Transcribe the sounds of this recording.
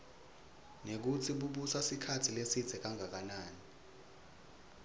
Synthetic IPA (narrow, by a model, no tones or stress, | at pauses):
nek̬ut͡sʰiɓuɓusasikʰatʰilesid̥z̥ʱɛk̬aŋak̬anaːni